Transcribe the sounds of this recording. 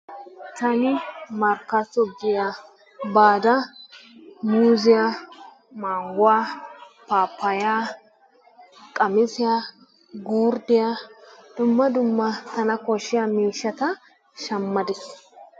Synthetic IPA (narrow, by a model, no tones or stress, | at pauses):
t̪ɐnɪmɐɾkɐsɔɡɪja | baːd̪ɐ | muːzɪja | maːŋɡʊwaːpaːpːɐjaː | kʼɐmɪsɪjaː | ɡuːɾd̪ɪjad̪̥ʊmːɐd̪ʊmːɐt̪ɐnɐkɔʃːɪjamiːʃːɐt̪ɐ | ʃɐmːɐd̪ɪs